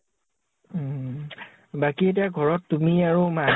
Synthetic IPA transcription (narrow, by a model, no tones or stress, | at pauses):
bakiet̬iaɡʱɔɹɔtːumiaɹoma